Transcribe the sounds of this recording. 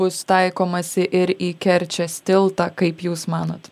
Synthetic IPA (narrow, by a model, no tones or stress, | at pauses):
ʊst̪ɐɪkoːmɐsʲɪʔɪɾiːkʲɛɾʲt͡ʃʲɛsʲt̪ʲɪlˠt̪ɑːkɐɪpjuːsmɑːno̰ːt̪